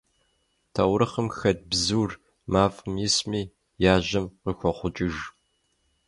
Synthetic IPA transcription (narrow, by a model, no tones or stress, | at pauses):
tʰɐwɾɨχəmxɐd̚bzuːr | maːfʼɨmjɪsmiː | jaːʑɐmqəxʷɔχʷʊt͡ʃʼɪʒ